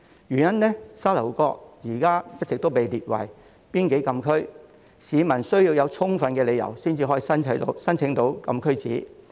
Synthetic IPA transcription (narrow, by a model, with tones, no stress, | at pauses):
jyː˨˩njɐ˥nlɛː˥saː˥lɐ˨˩wkɔː˧k̚jiː˨˩kaː˥pɐ˥t̚t͡sɪ˨k̚t̪o˥wpe˨jliː˨t̚wɐ̰˨˩j | piː˥nke˨˥jkɐ˧mkʰɵ˥ɥ | siː˨˧mɐ˨˩nsɵ˥ɥjiː˧wjɐ˨˧wt͡sʰʊ˥ŋfɐ˨˧nkɛː˧le˨˧jɐ̰˨˩wsiː˥nt͡siː˧ɦɔː˨˥jiː˨˧sɐ˥nt͡sʰɐ˨˥jt̪o̰˨˥wsɐ˥nt͡sʰɪ˨˥ŋt̪o˨˥wkɐ˧mkʰɵ˥ɥt͡sḭː˨˥